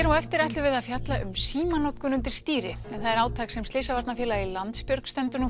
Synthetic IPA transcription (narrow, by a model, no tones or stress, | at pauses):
ɛɾawɛft̪ɪɾajt̪lʏvɪðaðfjat̪laʔʏmsiːmanɔt̪kʏnʏnt̪ɪɾ̥st̪iːɾɪɛnθaðɛɾaːwt̪ʰaːksɛmst̪ɪːsavaɾt̪nafjɛːlailant̪spjœɾkst̪ɛnt̪ʏnu